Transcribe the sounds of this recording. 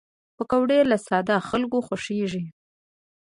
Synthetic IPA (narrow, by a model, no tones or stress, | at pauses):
pəkawɽelasɑd̪axalkoxʊʂeʐi